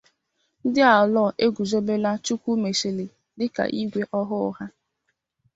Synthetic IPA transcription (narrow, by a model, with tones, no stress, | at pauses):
n̩˦dɪ˦a˨ɔ˨lɔ˦˨ʔe˦ɡʷu˨zo˦be˦la˦t͡ʃu˦kʷu˦me˨si˨lɪ˨ | lɪ˦ka̰˨ʔi˦ɡʷe˦ʔɔ˦ɦʊ̰˦˨ɦa˦